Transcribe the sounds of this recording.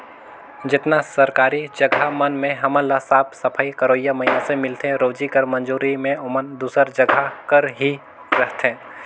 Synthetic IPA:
d͡ʒɪt̪nasɐɾkaːɾid͡ʒɐɡʱamɐnmẽɦɐmə̃lːasaːpʰsɐpʰaːikɐɾoːjːamɐinasẽmɪlt̪ẽɾoːd͡ʒikəɾmɐ̃nd͡ʒuːɾimẽʊmənd̪uːsəɾd͡ʒɐɡʱakəɾɦi | ɾɛɦt̪ɛ̃ː

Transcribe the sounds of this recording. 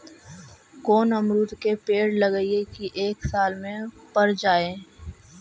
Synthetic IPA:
koːnɐmɾuːt̪kepeːɽlɐɡəiekiʔeːksaːlmẽpɐɾd͡ʒaːẽː

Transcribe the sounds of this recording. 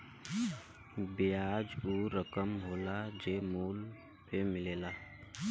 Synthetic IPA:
biad͡ʒuɾəkəmɦoːlad͡ʒeːmuːl | pemɪleːla

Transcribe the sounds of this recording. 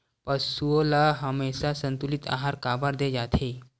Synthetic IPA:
pəsuolaɦəmesasənt̪ulit̪a̰ɦaɾkabaɾd̪ed͡ʑat̪ʰe

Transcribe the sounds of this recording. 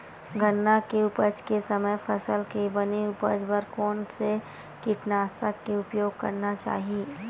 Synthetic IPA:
ɡʱənːakeʊpəd͡ʒkesɐməjpʰɐsəlkebɐniʊpəd͡ʒbəɾkɔːnse | kiʈnaːsakːeʊpjoːɡ̚kɐ̰ɾnat͡ʃa̰ːɦieː

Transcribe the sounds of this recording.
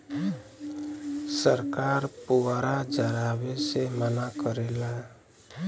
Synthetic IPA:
səɾkaːɾpuaɾad͡ʒəɾabesemənakəɾela

